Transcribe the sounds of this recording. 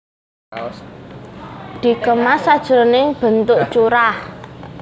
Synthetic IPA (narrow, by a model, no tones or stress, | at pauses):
d̪̥i̤kəmasad̥ʒ̥ə̤ɾneb̥ə̤nt̪ʊʔt͡ʃuɾah